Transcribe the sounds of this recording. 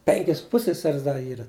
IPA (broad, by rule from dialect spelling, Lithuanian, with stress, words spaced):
ˈpʲɛŋʲkʲɪs ˈpʊsʲsʲɛsʲɛrʲɪs ˈdɐ ˈiːrɐ